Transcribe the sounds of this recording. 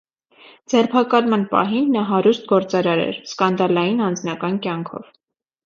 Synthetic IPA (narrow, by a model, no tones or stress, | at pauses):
d͡zɛrpʰɑkɑlmɑnpɑ̰ɦinːɑɦɑɾust̪̚ɡɔɾt͡sɑɾɑɾɛ̰ɾskɑnd̪ɑlɑjinɑnd͡znɑkɑnkjɑŋkʰɔ̰v̥